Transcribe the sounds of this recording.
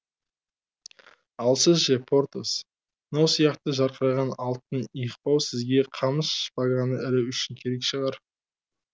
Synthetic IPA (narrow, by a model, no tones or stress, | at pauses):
ɑlˠsəzʒepʰo̞ɾt̪os | nowsijɑqt̪əʒɑɾqəɾɑʁɑnɑlˠt̪̚ənijqpɑwsɪzɡʲe̞qʰɑməsʃpɑʁɑnəʔɪlɪʏʃɪŋkʲʰe̞ɾe̞kʃəʁɑɾ